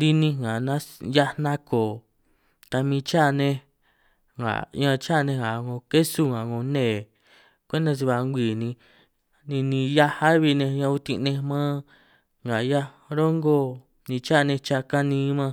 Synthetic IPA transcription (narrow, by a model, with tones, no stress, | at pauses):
d̪i˧nĩ˧ŋɡa˨nã˦ja˧nã˦koː˨ | t̪a˧mĩ˧t͡ʃa˦˨˧nẽ˧ | ŋa̰˨ɲã˧t͡ʃa˦˨˧nẽ˧ŋa˨ŋõ˧ke˦su˦ŋã˨ŋõ˧nẽː˦˨ | kʷẽ˦nd̪ã˧s̬i˧βa˧ŋɡʷiː˨nĩ˧ | nĩ˧nĩ˧ja˦ha˦βi˧nẽ˧ɲã˧u˧t̪ĩ˧nẽ˧mãː˦ | ŋɡa˨ja˦ | ɾo˦ŋɡo˦ | nĩ˧t͡ʃa˦˨˧nẽ˧t͡ʃa˧ka˦nĩː˧˦mã˧